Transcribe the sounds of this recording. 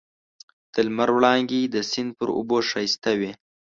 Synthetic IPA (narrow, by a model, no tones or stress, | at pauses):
t̪əlmaɾwɽɑŋɡed̪əsɪnd̪̚pəɾʊ̰boʂɑst̪awe